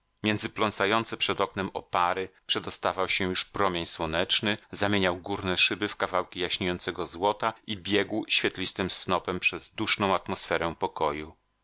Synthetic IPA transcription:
mʲjɛnd̪zɘplɔnt̪sajɔnt̪sɛpʂɛd̪ɔknɛmɔ̰paɾɘpʂɛd̪ɔst̪avawɕɛjuʂpɾɔmʲjeɲswɔnɛt͡ʂnɘzamʲjeɲawɡuɾnɛʂɘbɘfkavawkʲijaɕɲejɔnt̪sɛɡɔzwɔt̪aibʲjɛɡwɕfʲjɛt̪lʲist̪ɘmsnɔpɛmpʂɛzd̪uʂnɔ̃w̃at̪mɔsfɛɾɛ̃pɔkɔju

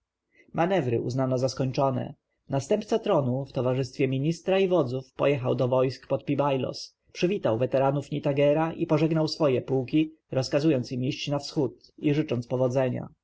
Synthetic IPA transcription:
manɛvɾɘ̰ʔṵznanɔzaskɔɲʲt͡ʂɔnɛ̰ | nast̪ɛmpt̪sat̪ɾɔnuft̪ɔvaʐɘst̪fʲjɛmʲiɲist̪ɾaivɔd̪zufpɔ̰jɛxawd̪ɔvɔjskpɔt̪̚pʲibajlɔ̰s | pʂɘvʲit̪awvɛt̪ɛɾanufɲit̪aɡɛɾaʔipɔʐɛɡnawsfɔjɛpuwkʲi | ɾɔskazujɔnt̪simiɕt͡ɕnafsxut̪ | iʐɘt͡ʂɔnt̪spɔvɔd̪zɛɲa̰

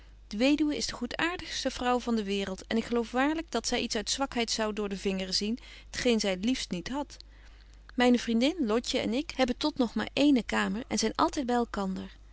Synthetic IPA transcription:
d̥əʋejdywəɪzdəχutaːɹdəχstəvrʌwvɑndəʋɪːrəlˠtɛnɪkχəlowfʋaːɹləɡ̚dɑtsɛjʔitsœɥtsʋɑkɦɛjtsɑwdʊːɹdəvɪŋərəzin | ɦətχejnzɛjətlifstnitɦɑt | mɛjnəvrindɪnlɔcəɛ̰nɪkɦɛbəntɔtnɔχma̰ːɹʔejnəkaːməɹɛ̰nzɛjnʔɑ̰lˠtɛjd̚bɛjɛlˠkɑndəɹ

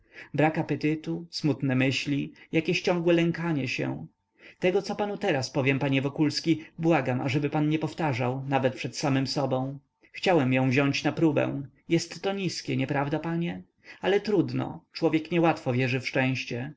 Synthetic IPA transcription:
bɾakapɛt̪ɘt̪usmut̪nɛmɘɕlʲijakʲeɕt͡ɕɔ̃ŋɡwɛlɛŋkaɲɛɕɛ̰̃ | t̪ɛɡɔt̪sɔpanut̪ɛɾaspɔvʲjɛmpaɲɛvɔkulskʲibwaɡamʔa̰ʐɛbɘpanɲɛpɔft̪aʐawnavɛt̪̚pʂɛt̪samɘmsɔbɔ̃w̃ | xt͡ɕawɛmjɔ̃w̃vʑɔɲt͡ɕnapɾubɛ̰̃w̃ | jɛst̪ːɔɲiskʲɛɲɛpɾavd̪apaɲɛ | alɛt̪ɾud̪nɔ̰t͡ʂwɔvʲjɛkɲɛwat̪fɔvʲjɛʐɘfʂt͡ʂɛ̃w̃ɕt͡ɕɛ

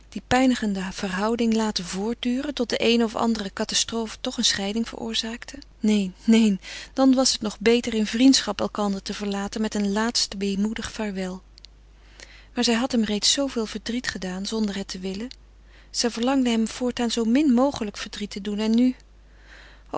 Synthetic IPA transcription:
d̥ipɛjnəχəndəv̥ərɦɑwdɪŋlaːtəvʊːɹt̚dyːrəntɔt̚dəʔejnəɔfɑ̰ndərəkɑtɑstrowfətɔχənsχɛjdɪŋv̥ə̰rʔʊ̰ːɹzaːktʰənejnːejnd̥ɑnʋɑsətnɔχbejtərɪnvrintsχɑpɛlˠkɑndəɹtəvəɹlaːtənmɛtənlaːtstʋejmudəχfaːɹʋɛlˠ | maːɹzɛjɦɑtɦɛmrejtsowvɪːlˠv̥əɹdritχədaːnzɔndəɹɦɛtʰəʋɪlə | z̥ɛjvəɹlɑŋdəɦɛmv̥ʊːɹtaːnzowmɪnmowχələkfəɹdritədunɛnːy

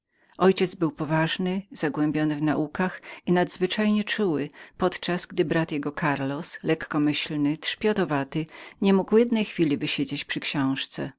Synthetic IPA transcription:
ʔɔjt͡ɕɛd̪zbɘwpɔvaʐnɘz̥aɡwɛmbʲjɔnɘvnaʔukaxinad̪zvɘt͡ʂajɲɛt͡ʂuwɘpɔt̪t͡ʂazɡd̪ɘbɾat̪jɛɡɔkʰaɾlɔslɛkːɔmɘɕlnɘt̪ʂpʲjɔt̪ɔvat̪ɘɲɛmuɡwjɛd̪nɛjxfʲilʲivɘɕed͡ʑet͡ɕpʂɘkɕɔ̃w̃ʂt̪sɛ̰

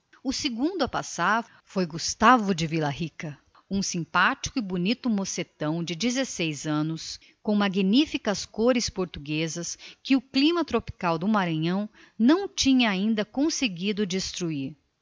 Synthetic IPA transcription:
ʊsɪɡũd̪ʊapasaɾ | fojɡust̪avʊd͡ʒɪvilɐhikɐ | ũsĩpat͡ʃi̥kʊɪbunit̪ʊmoset̪ɐ̃w̃d͡ʒɪd͡ʒizesejzɐ̃nʊs | kõw̃maɡinifikɐskoɾɪspoɾt̪uɡezɐskɪʊklĩmɐt̪ɾopi̥kawd̪ʊmaɾɐ̃ɲɐ̃w̃ | nɐ̃w̃t͡ʃĩɲɐaĩnd̪ɐkõseɡid̪ʊd͡ʒist̪ɾuiɾ

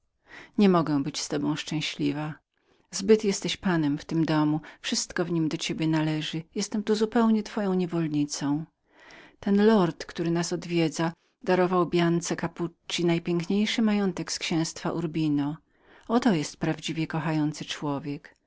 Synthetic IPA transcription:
ɲɛmɔɡɛ̃w̃bɘt͡ɕst̪ɔbɔ̃w̃ʂt͡ʂɛ̃w̃ɕlʲiva | zbɘt̪jɛst̪ɛɕpanɛmft̪ɘmd̪ɔmufʂɘst̪kɔvɲimd̪ɔt͡ɕebʲjɛnalɛʐɘjɛst̪ɛmt̪uzupɛwɲɛt̪fɔjɔ̃w̃ɲɛvɔlɲit̪sɔ̃w̃ | t̪ɛnlɔɾt̪kt̪uɾɘnasɔd̪vʲjɛd̪za | d̪aɾɔvawbʲjant̪sɛkaput͡ʂːinajpʲɛŋkɲejʂɘmajɔnt̪ɛkskɕɛ̃w̃st̪faʔuɾbʲinɔ | ɔt̪ɔjɛst̪̚pɾavd͡ʑivʲjɛkɔxajɔnt̪sɘt͡ʂwɔvʲjɛk

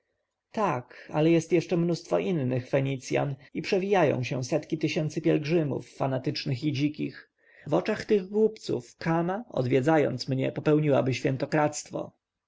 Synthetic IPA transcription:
t̪akalɛjɛst̪jɛʂt͡ʂɛmnust̪fɔʔinːɘxfɛɲit̪sʲja̰nipʂɛvʲijajɔ̰̃w̃ɕɛsɛt̪kʲit̪ɘɕɛnt̪sɘpʲjɛlɡʐɘmṵfːanat̪ɘt͡ʂnɘxid͡ʑikʲix | vɔt͡ʂaxt̪ɘɣɡwupt̪sṵfkamaɔ̰d̪vʲjɛd̪zajɔ̰nt̪smɲɛpɔpɛwɲiwa̰bɘɕfʲjɛnt̪ɔkɾat̪st̪fɔ̰

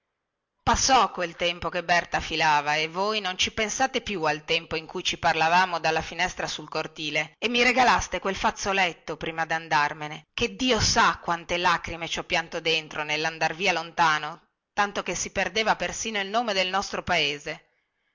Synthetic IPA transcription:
pasːɔkːwelt̪ɛmpokebːɛrt̪afilaːvaevːojnont͡ʃipensaːt̪epjualt̪ɛmpoiŋkujt͡ʃiparlavaːmod̪alːafinɛst̪ɾasulkort̪iːleːmːiɾeɡalast̪ekwelfat̪sːolɛt̪ːopɾiːmad̪and̪armeneked̪ːiːosakːwant̪elakɾimet͡ʃɔpːjant̪od̪ent̪ɾonelːand̪arviːalont̪aːno | t̪ant̪okesːiperd̪eːvapersiːnoilnoːmed̪elnɔst̪ɾopaeːze

